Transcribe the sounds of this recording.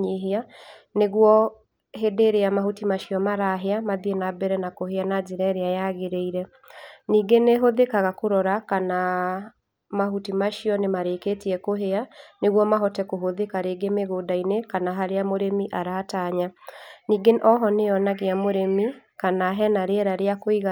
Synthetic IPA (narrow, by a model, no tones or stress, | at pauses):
ɲeɦea | neɣwɔ | hedeɾeamahutimaʃiɔmaɾaɦeamaðienabɛɾɛnakoheanaziɾɛɾeajaɣeɾeiɾɛ | niːɡeneɦoðekaɣakoɾɔɾakana | maɦutimaʃiɔnemaɾeketiɛkoɦeaneɣwɔmaɦɔtɛkoɦoðekaɾeːɡemeɣoːdainekanaɦaɾeamoɾemiʔaɾaːtaːɲaniːɡeʔɔɦɔneɔnaɣeamoɾemikanaɦɛnaɾeɛɾaɾeakoiɣa